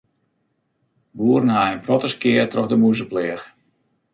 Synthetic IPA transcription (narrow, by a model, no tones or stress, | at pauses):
buːərnhaənprɔtəskɪərtrɔxdəmuzəplɪːəx